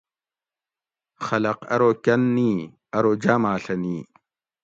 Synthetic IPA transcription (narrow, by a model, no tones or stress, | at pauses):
xɐlɐqɐ̰ɾoːkʲɐnːiː | ɐɾoːd͡ʑaːmaːɬɐniː